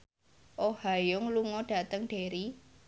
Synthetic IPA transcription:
ʔohajʊŋluŋɔɖ̥ä̤t̪əŋɖ̥e̤ɾi

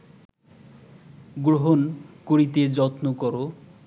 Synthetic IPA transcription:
ɡɾoɦonkoɾit̪ed͡ʑɔt̪nokɔɾo

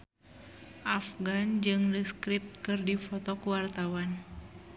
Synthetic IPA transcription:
ʔafɡand͡ʒɨŋləskɾip̚t̪̚kɨrdifɔt̪ɔkuwart̪awan

